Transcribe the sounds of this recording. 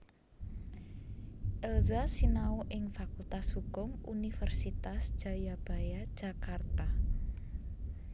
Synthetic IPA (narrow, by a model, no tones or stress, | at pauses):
ʔɛlzasinaoʔɪŋfakult̪ashuɡʊŋunifərsit̪asd͡ʒ̥a̤jab̥a̤jḁʒ̥a̤kart̪a